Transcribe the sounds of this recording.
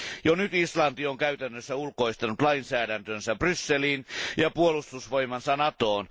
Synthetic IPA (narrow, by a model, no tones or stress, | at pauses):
jonyt̪islɑnt̪ioŋkæyt̪ænːøsːæulkoist̪ɑnut̪lɑinsæːɾænt̪ønsæbrysːeliːnjɑpuolust̪usʋoimɑnsɑnɑt̪oːn